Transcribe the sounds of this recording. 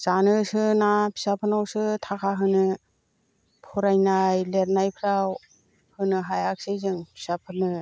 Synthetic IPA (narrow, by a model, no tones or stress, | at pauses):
z̥anɯsɯnapʰi̥sapʰɯnawsɯtʰakʰaɦɯnɯ | pʰuɾajnajleɾnajpʰɾaw | hɯnɯɦajak̚sejzɯŋpʰi̥sapʰɯnɯ